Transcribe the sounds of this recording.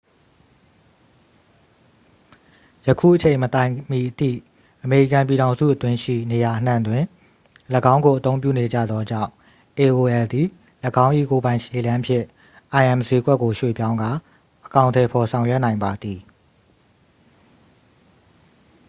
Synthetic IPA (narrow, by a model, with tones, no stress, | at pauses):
jəkʰṵ˦˨ʔət͡ɕʰẽ˨ɪ̃mət̪ã˨ɪ̃mi˨ʔətʰḭ˦˨ | ʔəme˨ɹi˦˨kã˨mp̬i˨ɾã˨ʊ̃nzṵ˦ʔət̪wɪ̃˦ʃḭ˦˨ne˨ja˨ʔən̥ã̰˦˨nd̪wɪ̃˨ | ləɡã˦ʊ̃ŋɡo˨ʔət̪õ˦ʊ̃mpjṵ˦˨ne˨d͡ʑa̰˦˨d̪ðɔ˦d͡ʑã̰˦˨ʊ̃ | ʔe˨ʔo˨ʔɛ˨ld̪i˨ | ləɡã˦ʊ̃ʔḭ˦˨ko˨bã˨ɪ̃ʃe˨lã˦pʰjɪ̰̃˦˨ | ʔã˨ɪʔɛ̃˨mze˦ɡwɛ˦ʔkːo˨ʃwḛ˦˨pjã˦ʊ̃ŋɡa˦˨ | ʔəkã˨ʊ̃ntʰɛ˨pʰɔ˨sʰã˨ʊ̃jɛ˦ʔnã˨ɪ̃mba˨d̪ði˨